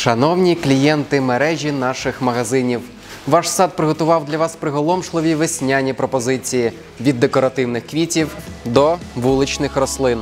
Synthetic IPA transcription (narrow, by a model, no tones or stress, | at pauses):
ʃɐnɔwnʲiklʲijɛnt̪ɪmeɾɛʒʲinɑʃɪxmɐɦɐzɪnʲiw | ʋɑʃsɑd̪̚pɾɪɦɔt̪ʊʋɑwd̪lʲɐʋɑspɾɪɦɔlˠɔmʃlˠɪʋʲiʋesʲnʲanʲipɾɔpɔzɪt͡sʲiji | ʋʲid̪ːekɔɾɐt̪ɪwnɪxkʋʲitʲiwd̪ɔʋulˠɪt͡ʃnɪxrɔslˠɪn